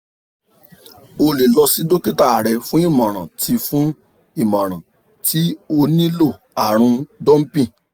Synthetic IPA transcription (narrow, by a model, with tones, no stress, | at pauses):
o˧le˨lɔ˧si˦do˦ki˦ta˦˨a˨ɾɛ˧fũ˦i˦˨mɔ̃˨ɾ̃ã˨tʰi˧fũ˦ | i˦˨mã˨ɾ̃ã˨ | ti˦o˧nĩ˦lo˦˨ | a˨ɾ̃ũ˧dɔ̃˦m̩˦pĩ˦˨